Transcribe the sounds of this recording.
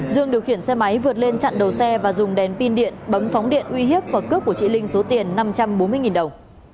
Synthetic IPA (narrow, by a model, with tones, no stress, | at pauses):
zɨ˧əŋɗi˨˩əwxi˧˩ənsɛ˧ma˨˦jvɨ˨˩ət̚le˧nt͡ɕa̰˧˨nɗə˨˩wsɛ˧vaː˨˩zʊ˨˩ŋ͡mɗɛ˨˩npi˧nɗḭ˧˨ənɓə˨˦mfɔ˨˦wŋ͡mɗḭ˧˨ənʔwi˧ɦi˦˥əp̚vaː˨˩kɨ˦˥p̚ku˧˩t͡ɕḭ˧˥lï˧ŋ̟so˨˦t̪i˨˩ənːa˧mt͡ɕa˧mɓo˨˦nmɨ˧əjŋi˨˩nɗə˨˩wŋ͡m